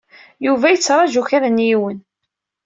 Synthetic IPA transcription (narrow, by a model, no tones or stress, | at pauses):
juvæjət͡sːɾˤɑʒuçaɾænjiwən